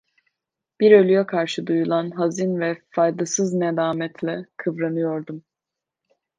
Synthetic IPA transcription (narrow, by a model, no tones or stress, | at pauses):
b̥iɾølʲyjɛkʰaɾʃɯd̪ujulˠanɦazinvɛfajd̪asɯznɛd̪aːmɛt̪ʰlʲɛkʰɯvɾanɯjo̞ɾd̪um